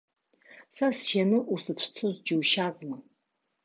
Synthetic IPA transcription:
sasjenɨʔusɨt͡ɕʷʰt͡sʰozd͡ʒɪwʃazma

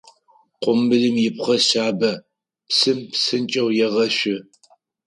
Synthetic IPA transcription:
qʷʊmɨɮɨmjɪpχɐsaːbɐ | psɨmpsɨnt͡ʃʼɐwjɛʁɐɕʷɪ

